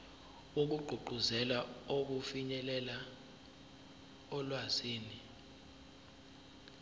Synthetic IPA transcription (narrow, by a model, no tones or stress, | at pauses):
uk̬uɡ͡ǃʱuɡ͡ǃʱuzɛlaok̬ufiɲɛlɛla | ɔlwaziːni